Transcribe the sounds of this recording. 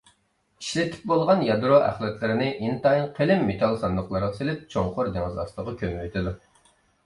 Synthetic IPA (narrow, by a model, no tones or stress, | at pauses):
iʃlɪt̪ʰɪ̥p̚bolˠʁɑnjɑd̪ɾoʔæ̰χlɛt̪ʰlɪɾɪnɪʔint̪ɑinqʰelɪmːet̪ʰɑlˠsɑnd̪əχlˠɑɾʁɑselɪp̚t͡ʃʰoŋqʊɾd̪eŋɨzɑ̰st̪əʁɑkʲʰømwøt̪ʰɪd̪u